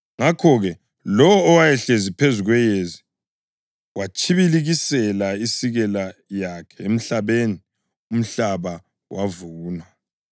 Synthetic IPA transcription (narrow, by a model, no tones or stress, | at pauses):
ŋakʰɔɣɛ | lɔwɔːwajɛɬezipʰezuɣwɛjezi | wat͡ʃʼʰiβiliɣisɛlaisiɣɛlajakʰɛ̥em̩ɬaβeni | um̩ɬaβa | wavuːna